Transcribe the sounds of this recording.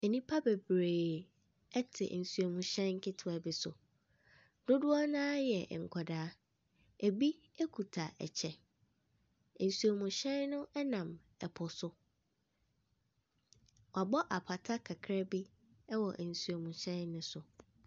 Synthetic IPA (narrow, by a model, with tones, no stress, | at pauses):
e˨nĩ˦pʰa˦be˨bɾeː˨ | ɛ˦tʰɪ̰˨n̩˨su˨o˨mũ˨ɕɛ̃˦nŋ̩˦kʰɪ˦tʰʊ˨a˨bi˨sʊ̰˨ | dʊ˦dʊ˦ɔ˦nãː˦jɛ˨ŋ̩˨kʰɔ˨daː˦ | e˨bi˦ | ɛ˦kʰu˨tʰa˨ʔɛ̰˨t͡ɕʰɛ˨ | n̩˨su˨o˨mũ˨ɕɛ̃˦nnʊ̃˦ʔɛ˦nã˨m | ɛ˨pʰʊ˨sʊ˦ | wa˨bɔ˦ʔa˨pʰa˨tʰa˦kʰa˨kʰɾɛ˦bi˦ | ɛ˦wɔ˨ʔn̩˨su˨o˨mũ˨ɕɛ̃˦nːʊ̃˦sʊ˨